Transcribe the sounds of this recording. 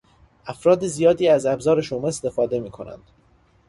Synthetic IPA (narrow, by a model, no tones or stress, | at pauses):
ʔæfɾɒːd̪ezijɒːd̪iːæzæbzɒːɾe̞ʃomeest̪e̞fɒːd̪e̞miːkʰo̞næ̰nd̪̥